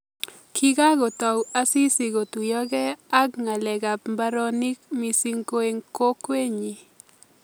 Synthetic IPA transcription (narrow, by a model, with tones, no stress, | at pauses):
kʰi˦ɡa˦ɡɔ˨ta˨wa˦si˦si˨ɡo˨tu˨jɔ˦ɡɛ˦a˦kŋa˨lɛ˨ɡa˨pmba˦ɾɔ˦nɪ˦kmi˨si˦ŋko˦e˦ŋko˦kwe˦ɲi˨